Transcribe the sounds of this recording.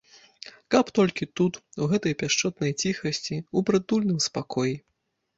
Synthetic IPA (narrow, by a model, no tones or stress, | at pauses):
kɐpt̪ɔlʲkʲit̪ut̪uɣɛt̪ɐjpʲaʂt͡ʂɔt̪nɐjt͡sʲixɐsʲt͡sʲiubɾɨd̪ulʲnɨmspakɔji